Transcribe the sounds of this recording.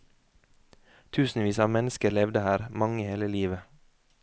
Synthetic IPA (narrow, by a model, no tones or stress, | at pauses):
t̪ʰʉːsn̩ʋiːsɑːmɛnəskəɾlɛʋd̪əhæːɾmɑŋəheːləliːʋə